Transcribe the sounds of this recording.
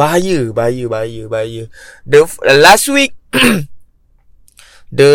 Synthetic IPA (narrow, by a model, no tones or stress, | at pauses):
ajəbajəbajəbajədəfdəlastwik̚ | də